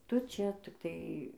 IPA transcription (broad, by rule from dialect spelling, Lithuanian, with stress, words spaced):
ˈtʊ ˈt͡ʃʲɛ tʲɪkˈtɐɪ